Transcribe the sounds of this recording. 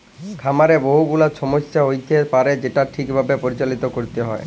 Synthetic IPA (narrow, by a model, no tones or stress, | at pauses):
kʰamaɾeboɦuɡulat͡ʃʰɔmoʃaɦojt̪epaɾed͡ʑeʈaʈʰikbʱabepoɾit͡ɕalit̪okoɾit̪eɦɔ̰e